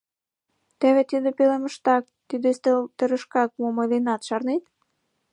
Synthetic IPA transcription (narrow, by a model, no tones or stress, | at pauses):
t̪eβet̪id̪epelemə̆ʃt̪ɑk̚t̪yd̪est̪elt̪əɾə̆ʃkɑk̚momɤjlenɑt̪ʃɑrnet̪